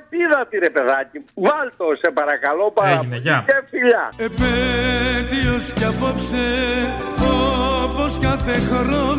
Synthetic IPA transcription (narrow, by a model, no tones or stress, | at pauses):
epiðɐt̪iɾepe̞ðɐcivɐlt̪osepɐɾɐkɐlopɐeʝineʝɐefiʎɐepe | d̪ioscɐpopse | oposkɐθexoɾo